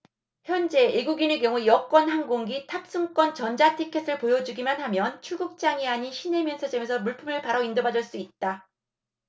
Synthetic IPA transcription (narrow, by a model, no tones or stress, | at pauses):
çjʌnd͡ʑe̞eɡuɡine̞k̬jʌŋujʌk͈wʌnɦanɡoŋɡitʰap̚s͈uŋk͈wʌnt͡ɕʌnd͡ʑatʰikʰes͈ɯɭpojʌd͡ʑuɡimanhamjʌnt͡ɕʰuɡuk̚t͡ɕ͈aŋiaɲiɕʰine̞mjʌnsʰʌd͡ʑemesʰʌmuɭpʰɯmɯɭpaɾʌindobadɯɭs͈uit̚t͈a